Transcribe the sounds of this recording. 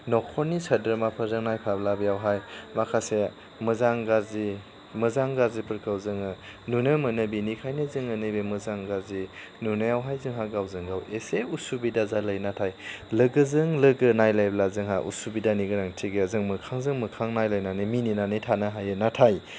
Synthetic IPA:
nɔkʰɔnːisɐdəɾmapʰəzɯŋnajpʰablabijawɦajmakʰase | mɯzaŋɡazi | mɯzaŋɡazipɯɾkʰawzɯŋɯnunɯmɯnɯbinikʰajnɯzɯŋənɯjbemɯzaŋɡazi | nunajawɦajzɯŋɦaɡawzɯŋɡaweseusubidazalajnatʰajlɯɡɯzɯŋlɯɡɯnajlajblazɯŋɦajʔṵsubidaniɡɯɾaŋtʰiɡeəzɯŋmɯkʰaŋzɯŋmɯkʰaŋnajlajnanɯmininanɯjtʰanaɦajɯnatʰaj

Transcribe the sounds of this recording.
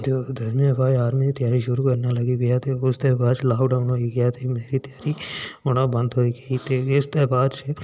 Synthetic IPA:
d͡ʒoːd̪ʱɐɾmjəbʱaːjaːɾmit̪jaːɾiʃʊɾuːkəɾnaːləɡiɡɪjaːt̪ʰiːʊst̪eːbaːt͡ʃʰːlaːʋɖaːʊnɦoːiɡəjaːt̪ʰiːmeːɾiːt̪əjaːɾiːʊnãːbə̃nd̪ɦoːiɡɐit̪eːɪst̪eːbaːd̪t͡ʃʰe

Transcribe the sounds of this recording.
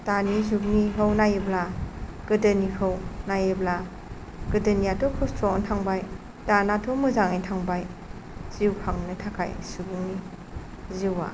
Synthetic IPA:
tanizub̚niɦɯwnajeblaɡɯdənikʰɯwnajebla | ɡɯdənijatɔkʰɔstʰɔntʰaŋbaj | danatʰomuzaŋitʰaŋbaj | z̥iwpʰaŋnɯtʰakʰa̰jsubuŋni | ziwa̰

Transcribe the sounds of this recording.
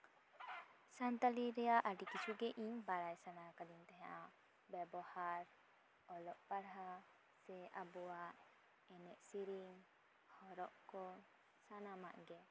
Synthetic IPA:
sant̪aliɾɛjaʔaɖikit͡ʃʰuɡɛʔiɲbaɾajsanakad̪int̪ɛɦaʔa | bɛbɔhaɾ | ɔlɔʔpaɾɦa | sɛʔabɔwaʔ | ɛnɛʔsiɾiŋ | hɔɾɔʔkɔ | sanamaʔɡɛ

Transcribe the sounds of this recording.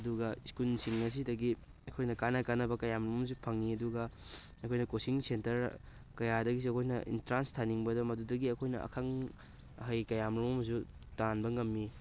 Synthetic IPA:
ɐduɡɐiskulsiŋnɐs̬idɐɡi | ɐkʰojnɐkanɐkanɐbɐkɐjamɾumɐms̬upʰɐŋːiɐduɡɐ | ɐkʰojnɐkosiŋsentɐɾ | kɐjadɐɡisiɐkʰojnɐḭntɾanstʰaniŋbɐdɐmɐdudɐɡiɐkʰojnɐ̰ɐ̰kʰaŋ | ɦɐjkɐjamɾumomɐs̬utanbɐŋɐmːi

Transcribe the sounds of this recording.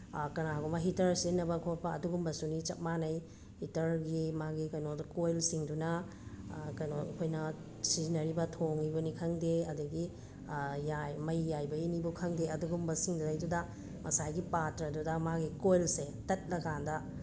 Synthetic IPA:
kɐnaɡumɐɦitɐɾsinɐbɐkʰot̚pɐɐduɡumbɐsunit͡ʃɐt̚manɐj | hitɐɾɡimaɡikɐjnodɐkojlsiŋdunɐ | kɐjnokʰojnɐ | sinɐɾibɐtʰoŋibɐnikʰɐŋdeɐduɡi | jajmɐjːajbɐinibukʰɐŋdeɐduɡumbɐsiŋduzajdudɐ | mʔɐsajɡipatɾɐdudɐmaɡikojlse | tɐt̚lɐɡandɐ

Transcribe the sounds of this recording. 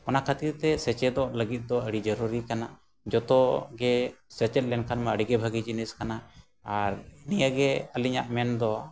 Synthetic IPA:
ɔnakʰət̪iɾt̪ɛsɛt͡ʃɛd̪ɔʔləɡit̪̚ˀd̪ɔəɽid͡ʒəɾuɾikana | d͡ʒɔt̪ɔɡɛsɛt͡ʃɛt̪̚lɛnkʰanmaəɽiɡɛbʱəɡid͡ʒiniskana | aɾinijaɡɛəliɲa̰ʔmɛnd̪ɔ

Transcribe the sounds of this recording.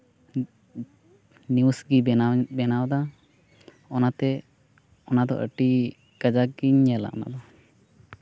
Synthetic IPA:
nusɡibɛnawd̪a | ɔnat̪ɛ | ɔnad̪ɔ̰ʔə̰ʈi | kəd͡ʒaɡiɲːɛla̰ʔna̰d̪ɔ

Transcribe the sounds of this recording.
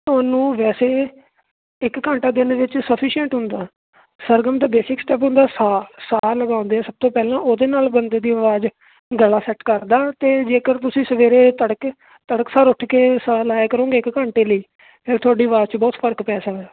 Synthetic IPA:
t̪ʊaːnũːʋɛːseː | ɪkːãːɳʈaːd̪ɪnʋɪt͡ʃsəpʰiːʃə̃ɳʈɦʊ̃nd̪aː | səɾɡəmd̪aːbeːsɪksʈɛːp̬ɦʊ̃nd̪aːsaːsaːləɡaːʊ̃nd̪eːɛːsəb̚t̪õːpɛːlãːʔoːd̪eːnaːlbənd̪eːd̪iːəʋaːd͡ʒ | ɡəlaːsɛːʈkəɾd̪aːt̪eːd͡ʒeːkəɾt̪ʊsĩːsəʋeːɾeːt̪əɽək | t̪əɽəksaːɾʊʈʰkeːsaːlaːekəɾõːɡeːɪkːãːɳʈeːləiː | pʰɪːɾt̪ʰʊaːɖiːəʋaːzt͡ʃbɔːt̪pʰəɾkpɛːsaːɛː

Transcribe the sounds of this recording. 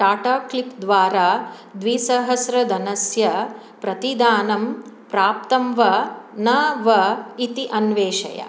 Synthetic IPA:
ʈaːʈaːklipd̪ʋaːɾaː | d̪ʋiːsɐɦɐsɾɐd̪ɐnɐsjɐ | pɾɐt̪id̪aːnɐmpɾaːp̚t̪ɐmʋɐnɐʋɐit̪iʔɐnʋeːʃɐ̰jɐ̰

